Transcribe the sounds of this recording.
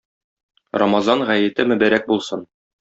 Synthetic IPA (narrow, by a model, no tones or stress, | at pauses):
ɾɑmɑzɑnʁæjɘ̆t̪ɘmɵ̆bæɾæk̚bulˠsɤn